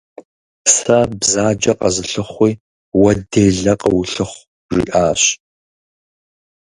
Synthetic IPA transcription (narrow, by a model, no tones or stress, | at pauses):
sɐbzaːd͡ʒɐqʼɐzɨɬɨχʷiː | wɐdeːɮɐqʼəwʊɬɨχʷ | ʒḭʔaːɕ